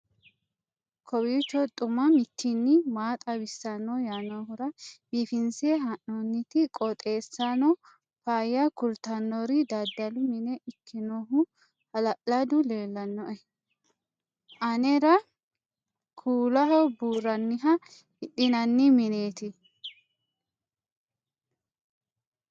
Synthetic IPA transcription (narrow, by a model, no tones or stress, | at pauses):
kʰɔwit͡ʃːɔt̪ʼʊmɐmɪt̪ʰːɪnːɪmaːt̪ʼɐwɪsːɐnːɔjaːnohʊɾɐbifɪnsɛɦɐʔnonːɪt̪ɪkʼɔt̪ʼe̞ːsːanɔ | faːjɐkʊlt̪ɐnːɔɾɪd̪ɐd̪ɐlʊmɪnɛʔɪkːɪnoɦʊ | hɐlɐʔɐd̪ʊle̞ːlːɐnːɔʔɛ | ʔɐnɛɾɐ | kʰuːlɐɦɔbuːrɐnːɪɦɐ | ɪɗɪnɐnːɪmɪneːt̪ɪ